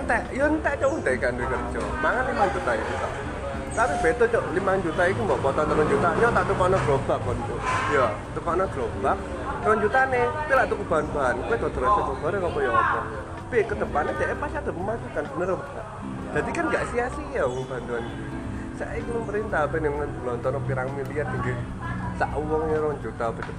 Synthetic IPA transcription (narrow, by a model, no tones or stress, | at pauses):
nt̪ɛʔjɔnt̪ɛʔt͡ʃɔnt̪ɛkandɾikərt͡ʃɔ | maŋanlimand͡ʒut̪ait̪usa̰ʔ | t̪apib̥et̪ɔt͡ʃɔʔlimand͡ʒut̪aik̪umbɔʔpɔt̪ɔnt̪əɾɔnd͡ʒut̪aɲɔt̪aʔt̪ukɔnɔɡɾobak̚ɔnt̪ujɔ | t̪ukɔnɔɡ̥ɾob̥ak̚ | t̪əɾɔnd͡ʒut̪anepilaʔt̪ukəb̥anbaɦankuɛkɔd̪əɾɔt͡ʃɔsɔɡɔɾekɔpɔjɔpɔt̪ɔn | pikət̪əpaned͡ʒaʔapat͡ʃad̪əməmad͡ʒukanb̥ənəɾbt̪a̰ʔ | d͡ʒ̥ad̪ikanŋɡaʔsiasijawɔŋba̤nt̪uan | sa̰ʔikiməmpəɾint̪aɦpɛnɛmŋənəlɔnt̪ɔnɔpiɾaŋmiliat̪̚ənɡi | saʔuwɔŋɲaɾɔɲd͡ʒut̪ab̥et̪ə